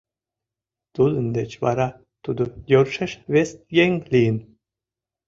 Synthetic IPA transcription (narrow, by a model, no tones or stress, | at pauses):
t̪ulənd̪et͡ɕvɑ̰ɾɑ | t̪ud̪ojoɾʃeʃvest̪jeŋlijən